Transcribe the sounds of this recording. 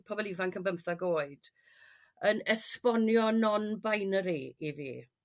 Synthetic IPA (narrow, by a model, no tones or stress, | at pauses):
pʰɔbɔlˠivankʰəmbəmθaɡoːɨd̥ | ənɛspɔnjɔnɔnbajnəɾiivḭ